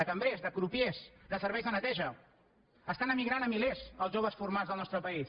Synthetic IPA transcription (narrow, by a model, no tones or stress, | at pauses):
əkəmbɾezðəpɾupjezd̪əsəɾβɛjzðənət̪ɛʒə | əst̪anəmiɣɾanəmilezəlˠʒoβ̞əsfuɾmazðəlˠnɔst̪ɾəpəis